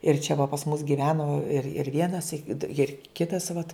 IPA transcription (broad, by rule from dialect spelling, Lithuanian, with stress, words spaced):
ɪr t͡ʃʲɛ ʋɐ pɐs mʊs ɡʲɪˈʋʲæːnoː ɪr ɪr ˈʋʲiɛnɐs ɪt ɪr ˈkʲɪtɐs ʋɐt